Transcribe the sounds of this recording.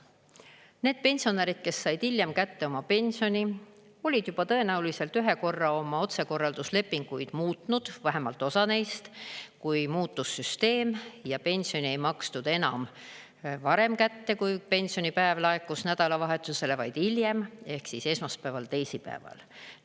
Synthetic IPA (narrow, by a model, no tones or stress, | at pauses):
ne̞ːd̪̥̚pe̞nʲsio̞neɾid̪̥̚ke̞sːɑjd̪̥ilʲje̞mkæt̪ːe̞o̞mɑpe̞nʲsio̞nʲi | o̞lʲid̪̥jub̥ɑt̪ɤ̞e̞næulise̞lt̪yɦe̞ko̞rːɑo̞mɑo̞t̪se̞ko̞rːɑld̪usle̞pːiŋɡ̥ujd̪̥muːt̪nud̪̥væɦe̞mɑ̰lt̪ːˑo̞sɑne̞jst̪kujmuːt̪ːusːyst̪e̞ːmjɑpe̞nʲsio̞nie̞jmɑksnud̪̥e̞nɑ̰m | vɑɾe̞mkæt̪ːe̞kujpe̞nʲsio̞nipæevlɑekːˑusnæd̪̥ɑlɑvɑɦe̞t̪ːˑuse̞le̞vɑjd̪̥ilje̞me̞hksise̞smɑspævɑlt̪e̞jsipæ̰evɑ̰l